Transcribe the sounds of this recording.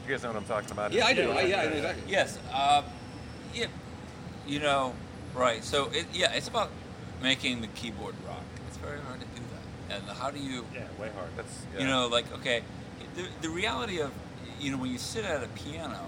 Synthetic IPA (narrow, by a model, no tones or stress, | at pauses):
ɡɛswʌɾãɪ̃mtʰɔkɪ̃ŋəbaʊɾjæaɪdɨaɪjæaɪnoʊɨɡzæktˡlijɛs | ʌ̃m | jæ | jɨnoʊ | ɹaɪtsoʊʔɪjæʔɨtsəbaʊt̚ | meɪkɪ̃ŋðɨkʰibɔɹd̚ɹɑ̰kɨtsv̥ɛɹihɑɹd̚tʰɨdɨðæ̰t̚ɨ̃nhaʊɾɨjɨjæweɪhɑ̰ɹd̚ðæ̰tsjæɨñoʊlaɪko̰ʊkʰeɪ | ðɨðɨɹiælˠəɾiʌv | jɨnoʊwɨ̃njɨsɪɾɨɾɨpʰiænoʊ